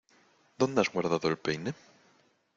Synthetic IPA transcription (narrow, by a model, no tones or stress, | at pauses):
d̪ond̪eazɣwaɾðaðʊelpejne